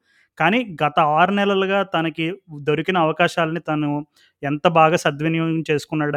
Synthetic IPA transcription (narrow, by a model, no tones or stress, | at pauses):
kaːniːɡɐt̪ɐaːɾunɛlɐlɐɡaːt̪ɐnɐkid̪oɾukinɐːʋɐkaːʃaːlɐnit̪ɐnu | ɛnt̪ɐbaːɡaːsɐd̪ʋɐnijɔːɡɐɐmt͡ʃe̞ːsu̥kunːaːɽɐ